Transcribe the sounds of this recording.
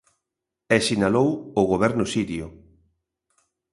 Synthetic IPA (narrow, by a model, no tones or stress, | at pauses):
ɛsinalowoɣoβɛɾnʊsiɾjo